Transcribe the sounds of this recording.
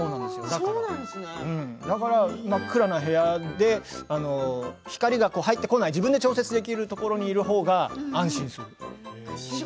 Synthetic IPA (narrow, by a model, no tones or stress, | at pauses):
soːnãnd̪esɨjod̪aasnɯ̟̃ɴd̪akaɾamakːɯ̟ɾanaɦe̞jad̪e̞ano̞çi̥kaɾʲiɡako̞ːhait̪ːe̞ko̞naid͡ʑibɯ̟̃nd̪e̞t͡ɕo̞ːset͡sɨd̪e̞kʲiɾɯ̟t̪o̞ko̞ɾo̞ɲ̟iːɾɯ̟ɦo̞ːɡaãɰ̃ɕĩɰ̃sɨɾɯ̟